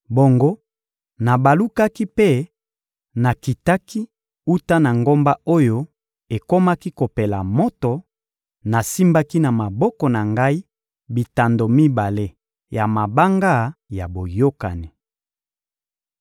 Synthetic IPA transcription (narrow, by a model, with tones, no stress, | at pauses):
bo˨ŋɡo˦ | na˨ba˨lu˦ka˦ki˦pe˦˨ | na˨ki˨ta˦ki˦ | u˦ta˦na˨ŋɡo˦mba˦o˦jo˦ | e˨ko˦ma˦ki˦ko˨pe˨la̰˨mo˦to˨ | na˨si˦mba˦ki˦na˨ma˨bɔ˦kɔ˨na˨ŋɡa˦i˦ | bi˨ta˨ndo˨mi˦ba˨le˦ | ja˨ma˨ba˦ŋɡa˦˨ja˨bo˨jo˦ka̰˨ni˨